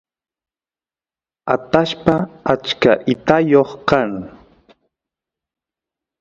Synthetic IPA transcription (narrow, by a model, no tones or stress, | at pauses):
at̪aʃpaat͡ʃkaʔɪt̪ajoχkaŋ